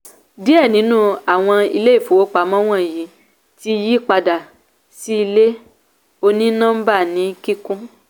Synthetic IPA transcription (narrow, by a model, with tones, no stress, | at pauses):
di˦ɛ˦˨nĩ˨˦nũ˦a˨w̃ɔ̃˧i˧le˦i˦˨fo˨wo˦k͡pa˨˦mɔ̃˦w̃ɔ̃˦˨ji˨˦ | ti˦ji˦k͡pa˧da˨ | si˦i˧le˦ | o˧nĩ˦nã˦m̩˦ba˦˨nĩ˨˦ki˦kũ˦